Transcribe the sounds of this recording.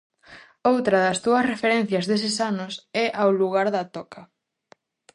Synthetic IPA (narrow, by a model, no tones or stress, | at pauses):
owt̪ɾɐðɐst̪uɐsrefeɾɛn̟θjɐzðes̬ɪsanʊsɛʔawluɣaɾðat̪ɔkɐ